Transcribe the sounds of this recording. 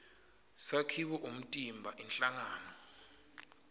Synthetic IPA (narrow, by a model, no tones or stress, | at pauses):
sakʰiɓɔʔum̩tʼimbʱaʔinɬaŋaːnɔ